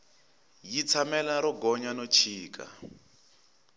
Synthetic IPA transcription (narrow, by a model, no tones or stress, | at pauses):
jit͡sʰamɛlaɾɔɡɔɲanɔt͡ʃʰiːka̰